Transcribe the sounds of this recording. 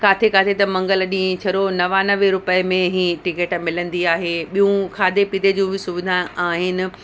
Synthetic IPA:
kaːt̪ʰekaːt̪ʰet̪ɐmɐ̃ŋɡəlɗĩːt͡ɕʰɐɾonɐʋanɐʋeɾʊpəmẽɦĩːʈɪkeːʈmɪlə̃nd̪iaːɦeːɓijũkʰaːd̪ʱepid̪ed͡ʑũːbʱɪsʊbɪd̪ʱaaːɦɪnɪ̆

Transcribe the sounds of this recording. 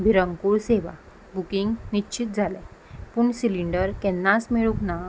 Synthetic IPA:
bʱiɾəŋkuɭseʋa̰ | bukiŋɡnit͡ɕit̪̚d͡zʱalɛpuɳsiliɳɖəɾkɛnːasmeɭukna

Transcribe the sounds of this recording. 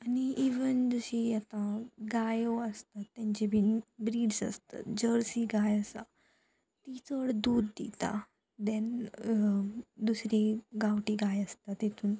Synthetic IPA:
aniiʋənd͡zəɕiat̪ãɡajoəst̪at̪ːɛ̃ɲt͡ɕebʱinbɾiːɖsə̰st̪a̰t̪d͡ʑəɾsiɡajəst̪a | t̪it͡səɽd̪uːd̪d̪ḭt̪a̰ | d̪ɛn | d̪usɾiɡawʈiɡajəst̪at̪et̪ʰuːn

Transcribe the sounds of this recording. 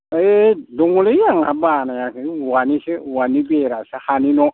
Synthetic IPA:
eduŋulejaŋa̰banajakiwaniʃɛwanibeɾasaxaninɔ

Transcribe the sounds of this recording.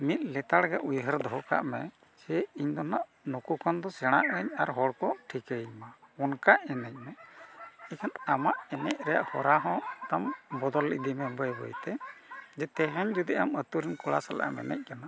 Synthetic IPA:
mit̪̚ˀlɛt̪aɽɡɛʔujɦəɾd̪ɔɦɔka̰ʔmɛ | sɛiɲd̪ɔnaʔ | nukukɔnd̪ɔsɛɽ̃aʔəɲaɾɦɔɽkɔʈʰikəɲmaɔnkaʔɛnəc̚ˀmɛ | ɛkʰanamaʔɛnɛc̚ɾɛja̰ʔhɔɾaɦɔ̃t̪ambɔd̪ɔlḭd̪imɛbəjbɔ̰jt̪ɛd͡ʒɛt̪ɛɦɛɲd͡ʒud̪iamət̪uɾinkɔɭa̰sala̰ʔa̰mɛ̰nɛ̰c̚ˀkana

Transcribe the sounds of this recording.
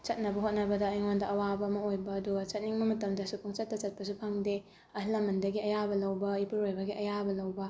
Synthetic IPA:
t͡ʃɐt̚nɐbɐɦot̚nɐbɐdɐːjŋondɐʔɐwabɐmɐojbɐːduɡɐt͡ʃɐt̚niŋmɐmɐtɐmdɐsupʰuŋt͡ʃɐtːɐt͡ʃɐt̚pɐsupʰaŋde | ɐhlɐmɐndɐɡiɐjabɐlɐwbɐipuɾojbɐɡiʔɐjabɐlɐwbɐ

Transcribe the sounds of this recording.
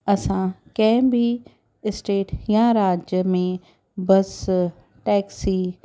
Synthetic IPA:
ɐsãkɛ̃ːmbi | ɪsʈeːʈjãɾaːd͡ʒjəmẽ | bɐs | ʈɛːksiː

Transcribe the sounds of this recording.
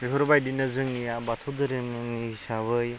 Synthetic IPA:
ikʰɯɾbajdinɯzɯŋniabat̪ʰɯwdɯɾɯŋɯŋnihisabɯj

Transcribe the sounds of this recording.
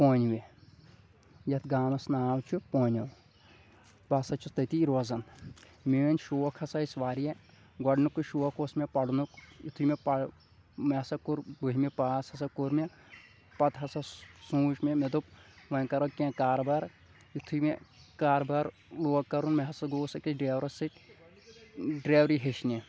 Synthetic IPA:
poːnʋe | jɐt̪ʰɡaːmɐsnaːwt͡ʃʰupoːnʲɐw | bɐsɐt͡ʃʰust̪ɐt̪iːɾozɐn | meːɐnʲʃuːɐkʰɐsɐisʋaːɾije | ɡɐɖnukːuʃuːʋɐkʰosmepɐɽunukit̪ʰumepɐ | mɐɐsɐkuɾbuɦʲimepaːsɐsɐkuɾme | pɐt̪ɦɐsɐsũːt͡ʃmemed̪upʋɐkɐɾɐkẽːkaːɾbɐɾ | it̪ʰumekaːɾbɐɾ | luːɐkːɐɾunmeɦɐsɐɡoːsɐkiɖɾeːʋɾɐsiʈ | ɖɾeːʋɾiɦeʃne

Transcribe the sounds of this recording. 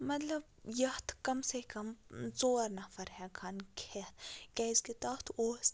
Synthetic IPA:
mɐt̪lɐb̚jɐht̪ʰkɐmsekɐmzoːɾnɐfʰɐɾɦɛkʰankʰeːt̪ʰkɛzkit̪aːt̪ʰoːs

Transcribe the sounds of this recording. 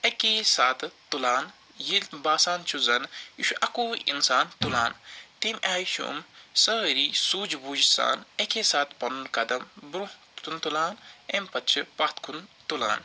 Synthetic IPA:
ɐkesaːt̪t̪ːulaːn | jilbaːsaːnt͡ʃʰuzɐniʃuʔɐkuːḭnsaːnt̪ulaːnt̪iːmʔaːjiʃṵmsɐɾiːsuːd͡ʒbuːd͡ʒsa̰ːnɐkeːsaːt̪pɐnunkɐd̪ɐmbɾu | t̪ʰunt̪ulaːnempɐtt͡ʃʰipɐt̪ʰkʰunt̪ula̰ːn

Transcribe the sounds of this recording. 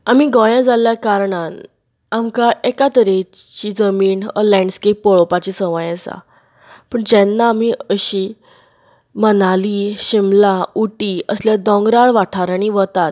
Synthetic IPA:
amiɡɔjãd͡zaljakaɾɳan | amkaʔekat̪əɾet͡ɕiːd͡zəmiːnə̰lɛ̃ɳɖəskepːɔɭɔpat͡ɕiːsəʋajasa̰ | pəɳd͡ʑɛnːaːm̤iəɕi | mənaliɕimlauʈiːəsljad̪ɔ̃ŋɡɾaɭʋaʈʰaɾaɽ̃iʋət̪at̪̚

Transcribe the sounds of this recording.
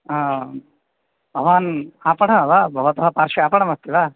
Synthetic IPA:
a | bʱɐʋaːnaːpɐɽɐɐʋabʱɐʋɐt̪ɐɦɐpaːɾʂiaːpɐɽɐmɐst̪iʋaː

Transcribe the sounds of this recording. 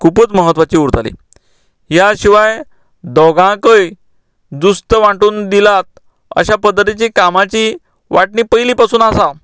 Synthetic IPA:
kʰupət͡sməɦət̪ʋat͡ɕiːuɾt̪alḭ | jaɕiʋaj | d̪ɔɡãkəj | d̪ust̪əʋaʈuːnd̪ilat̪̚ | ə̰ɕapəd̪ʱːət̪it͡ɕiːkamat͡ɕiː | ʋaʈɳiːpəjliːpasuːnasa

